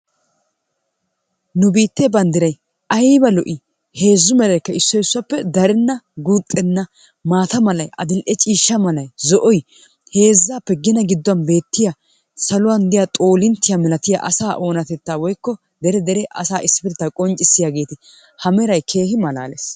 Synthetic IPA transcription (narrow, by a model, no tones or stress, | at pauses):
nʊbiːt̪ːeːbɐnd̪ɪɾɐj | ʔɐjbɐlɔʔɪ | he̞ːzːʊmɛlɐjkːɐɪsːɔɪsːʊwɐpːɛd̪ɐɾɛnːɐɡut̪ʼːɛnːɐ | maːt̪ɐmɐlɐjʔɐ̰d̪ɪlʔɛt͡ʃʼiːʃːɐmɐlɐjzɔʔɔj | he̞ːzːaːpːɛɡɪnɐɡɪd̪ːɔwɐnbe̞ːt̪ːɪja | sɐlʊwɐnd̪ɪjat̪ʼo̞ːlɪnt̪ːɪjamɛlɐt̪ɪja̰ʔɐ̰saːʔo̞ːnɐt̪ɛt̪ːaːwɔjkːɔ | d̪ɛɾɛd̪ɛɾɛʔɐ̰saːʔɪsɪ̥pɪɾɪt̪ːɐkʼɔnt͡ʃʼːɪsːɪjaːɡe̞ːt̪ɪ | hɐmɛɾɐjkʰe̞ːhɪmɐla̰ːles